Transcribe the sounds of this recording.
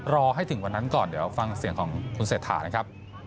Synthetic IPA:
ɾɔː˧ɦa˥˩jt̪ʰɯ˩˦ŋwa˧nːa˦˥nkɔː˨˩ndi˨˩˦ɐwfa˧ŋsi˨˩˦ŋkʰɔː˩˦ŋkʰu˧nseː˨˩t̪ʰːa̰ː˩˦na˦˥kʰa˦˥p̚

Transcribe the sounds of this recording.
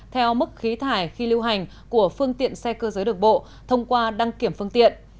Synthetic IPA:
t̪ʰɛ˧wmɨ˦˥k̚xi˨˦t̪ʰaː˧˩jxi˧li˧wɦa˨˩jŋ̟ | ku˧˩əfɨ˧əŋt̪ḭ˧˨ənsɛ˧kəː˧zəː˨˦jɗɨ˨˩ək̚ɓo̰˧˨ | t̪ʰə˧wŋ͡mkwaː˧ɗa˧ŋki˧˩əmfɨ˧əŋt̪ḭ˧˨ənʔ

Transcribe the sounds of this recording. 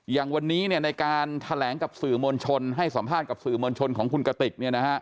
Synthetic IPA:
jaː˨˩ŋwa˧nːiː˦˥ni˥˩ɐna˧jkaː˧nt̪ʰa˧lɛː˩˦ŋka˨˩p̚sɯː˨˩moː˧nt͡ɕʰo˧nɦa˥˩jsa˩˦mpʰaː˥˩t̪̚ka˨˩p̚sɯː˨˩moː˧nt͡ɕʰo˧nkʰɔː˩˦ŋkʰu˧nka˧t̪i˨˩k̪̚ni˥˩ɐna˦˥kʰa˦˥ʔ

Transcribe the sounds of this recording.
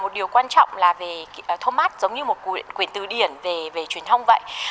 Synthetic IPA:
mo˨˩t̚ɗi˨˩əwkwaː˧nt͡ɕɔ̰˧˨wŋ͡mlaː˨˩ve˨˩˨t̪ʰo˧nmaː˦˥t̚z̥ə˨˦wŋ͡mɲɨ˧mo˨˩t̚nkwi˨˩ənt̪ɨ˨˩ɗi˨˩ənve˨˩ve˨˩t͡ɕwi˨˩ənt̪ʰə˧wŋ͡mvə̰˧˨jʔ

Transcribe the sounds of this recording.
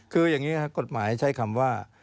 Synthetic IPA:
kʰɯː˧jaː˨˩ŋiː˦˥kʰa˦˥ko˨˩t̪̚maː˩˦jt͡ɕʰa˦˥jkʰa˧mwaː˥˩

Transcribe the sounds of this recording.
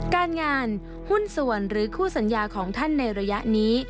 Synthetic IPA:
kaː˧nŋaː˧n | hu˥˩nsu˨˩ənɾɯː˩˦kʰuː˥˩sa˩˦njaː˧kʰɔː˩˦ŋt̪ʰa˥˩nːa˧jɾa˧ja˦˥ʔniː˦˥

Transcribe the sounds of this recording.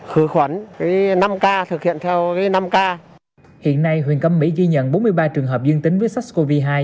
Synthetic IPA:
xɨ˧˦xwə˨˦nka˨˦na˧mkaː˧t̪ʰɨ˨˩k̚hḭ˧˨ənt̪ʰɛ˧wkaː˨˦jna˧mkaː˧ | hḭ˧˨ənːa˧jɦwḭ˧˨ənkə˧mːḭ˧˥ɣi˧ɲə̰˧˨nɓo˨˦nmɨ˧əjɓaː˧t͡ɕɨ˨˩əŋɦəː˨˩p̚zɨ˧əŋt̪i˨˦ŋ̟vəː˨˦jsa˦˥k̚sko˧vi˧ɦaː˧j

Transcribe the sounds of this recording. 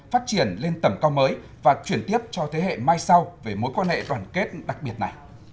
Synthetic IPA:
faː˦˥t̚t͡ɕi˧˩ənle˧nt̪ə˧˩mkaː˧wməː˨˦j | vaː˨˩t͡ɕwi˧˩ənt̪i˦˥əp̚t͡ɕɔ˧t̪ʰe˨˦ɦḛ˧˨maː˧jsa˧wve˨˩mo˨˦jkwaː˧nhḛ˧˨ɗwaː˧˨˩nke˦˥t̚ɗa˨˩k̚ɓi˨˩ət̚na˨˩j

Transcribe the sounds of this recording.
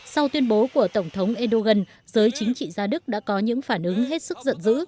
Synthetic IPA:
sa˧wt̪wi˧ənɓo˨˦ku˧˩ət̪ə˧˩wŋ͡mt̪ʰə˨˦wŋ͡mʔɛ˧ɗo˧ɣə˧n | zəː˨˦jt͡ɕï˨˦ŋ̟t͡ɕḭ˧˨zaː˧ɗɨ˦˥k̚ɗa̰ː˧˥kɔ˨˦ɲɨ̰˧˥ŋfaː˧˩nʔɨ˨˦ŋɦe˦˥t̚sɨ˦˥k̚zə̰˧˨nzɨ̰˧˥

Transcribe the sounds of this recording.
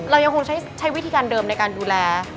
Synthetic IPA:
ɾa˧wja˧ŋkʰo˧ŋt͡ɕʰa˦˥jt͡ɕʰa˦˥jwi˦˥t̪ʰiː˧kaː˧ndɤː˧mna˧jkaː˧nduː˧lɛː˧

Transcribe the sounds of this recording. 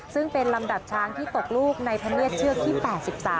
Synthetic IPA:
sɯ˥˩ŋpe˧nla˧mda˨˩p̚t͡ɕʰaː˧ŋt̪ʰiː˥˩t̪o˨˩k̚luː˥˩k̚na˧jpʰa˧ni˥˩ət̪̚t͡ɕʰɯ˥˩ək̚t̪ʰiː˥˩pɛː˨˩t̪̚si˨˩p̚saː˩˦

